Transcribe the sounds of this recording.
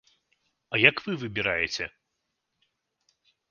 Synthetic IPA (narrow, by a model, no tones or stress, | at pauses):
ɐjɐkvɨvɨbʲiɾajɛt͡sʲɛ